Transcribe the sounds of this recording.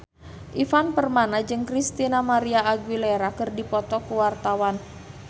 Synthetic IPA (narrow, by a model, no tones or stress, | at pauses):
ʔifanpərmanad͡ʒɨŋkɾist̪inamaɾiaːɡwileɾakɨrdipɔt̪ɔkuwart̪awan